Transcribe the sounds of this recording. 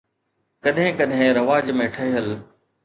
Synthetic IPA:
kɐɗɦɪ̃kɐɗɦɪ̃ɾɐʋaːd͡ʑmẽʈʰəɦiɦəl

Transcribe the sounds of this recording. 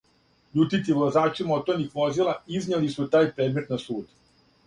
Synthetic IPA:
ʎuːt̪it̪iʋlˠazaːt͡ʃimot̪onixʋo̞zilˠaiznelisut̪aːjpɾed̪met̪nasuːd̪

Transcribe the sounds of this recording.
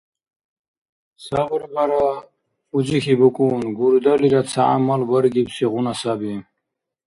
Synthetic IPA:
saʁɾbaɾa | ud͡zixibukʼuːnɡuɾd̪aliɾat͡sʰaʔa̰malbəɾɡibsiʁunasabi

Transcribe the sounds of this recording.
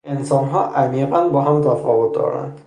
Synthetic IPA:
ɛnsɔnɦɔʔamiɛpanbɔɦamtɔfɔwɔt̚dɔ̰ɹa̰n

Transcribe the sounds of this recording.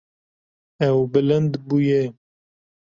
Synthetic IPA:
ɛwbɪlɨnd̪bujɛ

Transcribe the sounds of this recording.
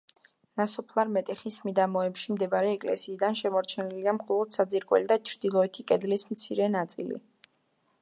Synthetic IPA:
nasɔpʰlˠaɾmɛt̪ʼɛχismid̪amɔɛpʃimd̪ɛbaɾɛːkʼlɛ̰siːd̪anʃɛmɔɾt͡ʃʰɛniliamχɛlˠɔd̪̥sad̪ziɾkʼwɛ̰lid̪at͡ʃʰɾd̪̥ilˠɔɛt̪ʰikʼɛd̪lismt̪sʰiɾɛnat̪sʼḭlḭ

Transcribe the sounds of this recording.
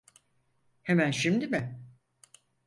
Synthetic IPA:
hemænʃimd̪imɪ

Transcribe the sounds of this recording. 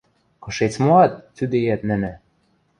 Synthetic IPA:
kɤ̆ʃet͡smoɑt̪̚ːyd̪ejæt̪nɘ̆nɘ̆

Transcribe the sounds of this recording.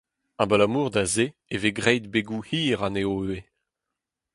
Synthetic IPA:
abalamuːʁd̪azeeveɡʁɛjd̪̚beɡuhiːʁaneoøe

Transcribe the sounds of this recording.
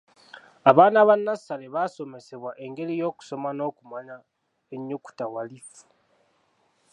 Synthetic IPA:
aβaːnaβanːasale̞βaso̞me̞se̞βwaʔe̞ŋɡe̞ɾijo̞ːku̥so̞mano̞ːkumaɲa | eɲːuku̥tawalifu̥

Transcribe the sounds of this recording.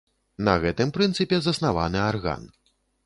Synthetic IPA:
nɐɣɛt̪ɨmpɾɨnt̪sɨpʲɛzɐsnavanɨarɣa̰n

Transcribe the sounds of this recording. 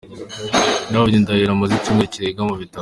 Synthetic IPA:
naoɾindajiɾamuzicumŋeciɾeɡamuβita

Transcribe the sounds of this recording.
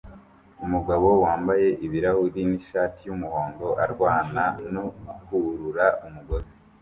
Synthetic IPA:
umuɡaβo̞waːmbaje̞ʔiβiɾahuɾiniʃaːtʰijumuhoːŋɡo̞ʔaɾɡwaːnanokuɾuɾaumuɡo̞zi

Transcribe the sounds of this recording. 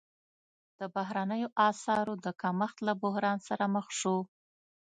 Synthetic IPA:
d̪̥əbaɦɾanəjoʔɑsɑɾod̪əkaməxt̪labʊɦɾɑnsaɾaməxʂo

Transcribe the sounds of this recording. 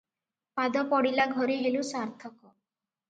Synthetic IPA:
pad̪ɔpɔɽilaɡʱɔɾiɦelusaɾt̪ʰɔkɔ

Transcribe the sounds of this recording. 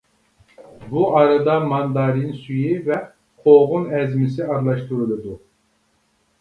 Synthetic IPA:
buʔɑɾad̪ɑmɑnd̪ɑɾinsyjivɛ | qʰoʁunɛzmisiɑɾlˠɑʃt̪uɾulˠud̪u

